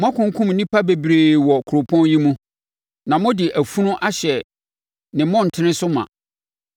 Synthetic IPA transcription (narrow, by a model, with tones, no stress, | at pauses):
m˦ã˦kʰʊ̃˦ŋ˦kʰʊ̃˦mnĩ˦pʰa˦be˨bɾeː˨wɔ˨kʰʊ˨ɾʊ˨pʰɔ̃˦n˦ji˦mũ˦ | nã˨mʊ̃˦dɪ˨ʔæ˨fu˦nʊ̃˦ʔa˦ɕɛ˨ | nɪ̃˨mʊ̃˦˨n̩˨tʰɪ˦nɪ̃˦sʊ˦mã̰˨